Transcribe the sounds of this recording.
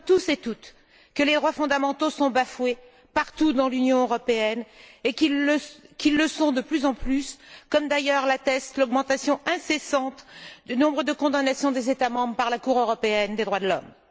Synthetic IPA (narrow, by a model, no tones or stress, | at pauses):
t̪usɛt̪ut̪ | kəled̪ʁwafɔ̃d̪amɑ̃t̪osɔ̃bafwe | paʁt̪ud̪ɑ̃lynjɔ̃øʁɔpeɛnekikʲilːəsɔ̃d̪əplyzɑ̃plyskɔmd̪ajœʁlat̪ɛst̪lɔɡmɑ̃t̪asjɔ̃ʔɛ̃sesɑ̃t̪d̪ynɔ̃bʁəd̪əkɔ̃d̪anasjɔ̃d̪ezet̪amɑ̃bʁəpaʁlakuʁøʁɔpeɛnd̪ed̪ʁwad̪əlɔm